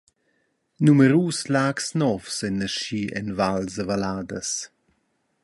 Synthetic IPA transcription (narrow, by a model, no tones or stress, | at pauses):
numəɾuːslaːksnɔvsɛnəʃiɛ̰nvalzəvalaːdəs